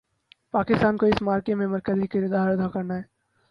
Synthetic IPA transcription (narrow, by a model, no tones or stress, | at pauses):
paːkɪst̪aːnkoɪsmaːɾkemẽmɐɾkəzikɪɾʊd̪aːɾʊd̪ʱakɐɾnaɦɛː